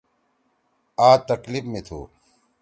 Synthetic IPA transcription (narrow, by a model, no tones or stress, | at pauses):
aːt̪ɐklifmet̪ʰṵː